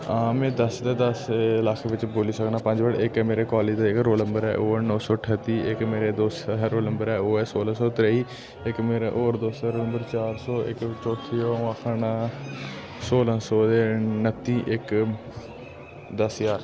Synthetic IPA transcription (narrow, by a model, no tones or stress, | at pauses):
ãːmɛ̃ːd̪əsd̪eːd̪əslaːkʰːʋɪt͡ʃboːliːsəknaːpəɲd͡ʒʋəɽɪkːmeːɾeːkaːleːd͡ʒd̪eːɪkɾoːləmbəɾɛ̰ːʔoːɛːnɔ̃ːsɔːʈʰət̪ːiːɪkmeːɾeːd̪oːsɾoːləmbəɾɛːoːɛːsoːlãːsɔːt̪ɾeːiː | ɪkmeːɾaʔoːɾd̪oːsaːɾoːləmbəɾt͡ʃaːɾsɔːɪkt͡ʃoːʈ̪ʰiːoːaːkʰən | soːlãːsɔːd̪eːnət̪ːiːʔɪk | d̪əsjaːɾ